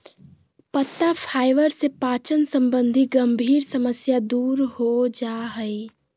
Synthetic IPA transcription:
pət̪ːapʰaːɪʋəɾsepaːt͡ʃənsə̃mbə̃nd̪ʱiɡɐ̃mbʱiːɾsəməsjad̪uːɾɦod͡ʒaːɦəe

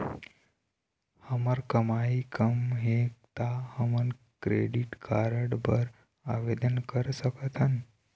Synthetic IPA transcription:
həməɾkəmaikəmɦek̚t̪ahəmən | kɾeɖiʈkaɾəɽbəɾ | aʋed̪ənkəɾsəkət̪ʰən

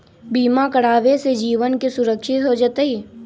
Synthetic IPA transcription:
biːmakəɽaːʋesed͡ʒiːʋənkesʊɾəkʃɪt̪ɦod͡ʒat̪eɦiː

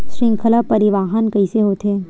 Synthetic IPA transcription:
ʃɾɪ̃ŋkʰəlapɐɾɪʋaːɦənkɐiseɦoːt̪ɦeː

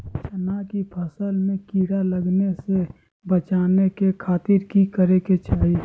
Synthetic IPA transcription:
t͡ʃənakipʰəsəlmẽkiːɽaləɡnese | bət͡ʃaːnekekʰaːt̪iɾkikəɾeket͡ʃaːɦi

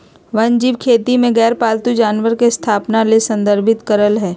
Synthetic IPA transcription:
ʋɐnd͡ʒiːʋkʰeːt̪imẽɡɛːɾpaːlt̪ud͡ʒaːnʋəɾkest̪ʰaːpnalesə̃nd̪əɾbʱɪt̪kəɾəlɦɛː

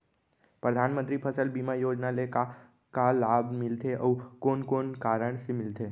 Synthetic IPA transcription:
pɾəd̪ʱanmənt̪ɾipʰəsəlbimajod͡ʒnaleka | kalabmɪlt̪ʰeʔəwkonkoːnkaɾəɳ̃semɪlt̪ʰe

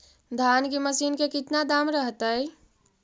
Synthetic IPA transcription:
d̪ʱankiməsiːnkekit̪nad̪amɾəɦt̪əj

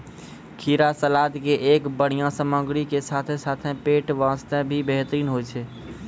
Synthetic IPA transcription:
kʰiɾasəlad̪keʔeːkbəɽ̤ijãsəməɡɾikesat̪ʰesat̪ʰẽpeːʈʋãst̪ẽbʱibeɦt̪ɾiːnɦojt͡ʃʰɛ

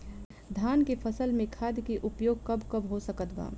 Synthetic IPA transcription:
d̪ʱaːnkepʰəsəlmẽkʰaːd̪jkeʔʊpjoːɡ̚kɐbkɐbɦosəkət̪ba̰ː

